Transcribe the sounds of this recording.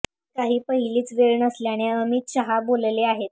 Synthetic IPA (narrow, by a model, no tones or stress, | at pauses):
kaɦiːpəɦiliːt͡sʋeɭɳəsleaɽ̃iəmit̪ɕəɦabolleaɦet̪̚